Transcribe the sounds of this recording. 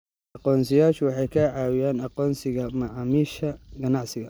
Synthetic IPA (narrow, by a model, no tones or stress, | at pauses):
ʔɑqɔːnsɪjaːʃʊwɑħɑjkʰɐʕɑːwɪjaːnɑqɔːnsɪɣɐmɑʕɑːmiːʃɐɡɐnɑʕsɪɣɐ